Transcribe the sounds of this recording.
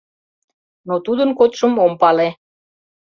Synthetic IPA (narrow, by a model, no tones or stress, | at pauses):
not̪ud̪ənkot̪ʃəmompɑle